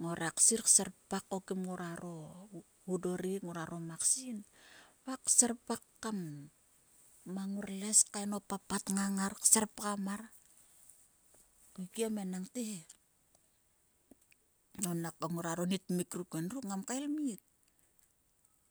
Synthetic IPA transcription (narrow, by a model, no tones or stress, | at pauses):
ŋoɾaksiɾkseɾpakːokimŋuɾaɾo | udoɾiŋoɾaɾo̞maksinpakseɾpakːam | aŋuɾleskaeno̞papatŋaŋaɾkseɾpkamar | kukiamenaŋte | nonakaŋuɾaɾo̞nitmikɾukenruŋamkaelmit̚